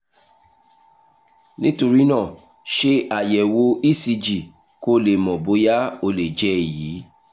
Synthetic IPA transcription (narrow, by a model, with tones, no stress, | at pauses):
nĩ˦to˧ɾi˦nã˦˨ | ʃe˧a˨jɛ˨wo˧i˦˨si˧d͡ʒi˨ | ko˦le˨mɔ̃˨bo˨˦ja˦o˧le˨d͡ʒɛ˨˦e˨jiː˨˦